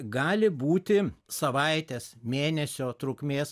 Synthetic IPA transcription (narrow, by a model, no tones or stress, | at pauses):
ɡɑːlʲɪbuːt̪ʲɪsɐʋɐɪt̪ʲeːsmʲeːnʲɛsʲoːt̪ɾʊkmʲeːs